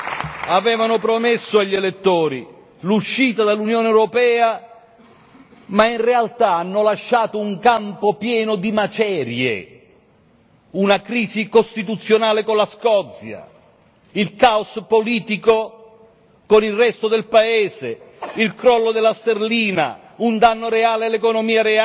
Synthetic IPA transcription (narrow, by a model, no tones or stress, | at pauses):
avɛːvanʊpɾomesːʊaʎːelet̪ːoːɾi | luʃːiːt̪ad̪alːunjoːneɛwɾopɛːa | mainrealt̪aanːʊlaʃːaːt̪ʊuŋkampopjɛːnʊd̪imat͡ʃɛːɾjḛ | unakɾiːsikost̪it̪̬ut̪sːjonaːlɪkonlaskɔt̪sja̰ | ilkaospoliːt̪iko | konilrɛst̪od̪elpaeːse | ilkɾɔlːod̪elːast̪erliːna̰ | und̪anːoɾeaːlealekonomiːaɾea